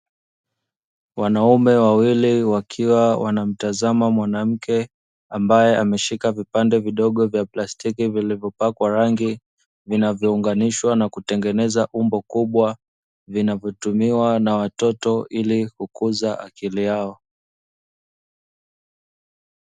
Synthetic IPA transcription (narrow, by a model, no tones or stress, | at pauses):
wanaumɛwawiliwakʰiwawʔa̰nam̩tazamamwanam̩kʰɛ | ambajɛʔamɛʃikavipandɛviɗɔɠɔvjaplastikivilivjɔpakwaɾaŋɡi | vinavjɔuŋɡaniʃwanakutɛŋɡɛnɛzaʔumbɔkuɓwa | vinavjɔtumiwanawatɔtɔʔilikukuzaʔakilijaɔ